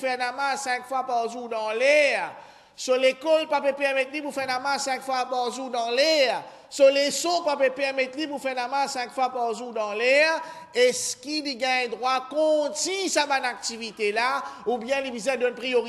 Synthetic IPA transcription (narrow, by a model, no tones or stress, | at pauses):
fɛʁnamãsɛ̃kfwapaʁʒuʁd̪ɑ̃lɛ | solekɔlpapøpɛʁmɛt̪lipufɛʁnamãsɛ̃kfwapaʁʒuʁd̪ɑ̃lɛ | solesɔpapøpɛʁmɛt̪lipufɛʁnamãsɛ̃kfwapaʁʒuʁd̪ɑ̃lɛʁ | ɛskiliɡɛ̃ɛ̃d̪ʁwakɔ̃t̪isabanak̚t̪ivit̪elaubjɛ̃libizɛ̃d̪ɔnpʁijoʁi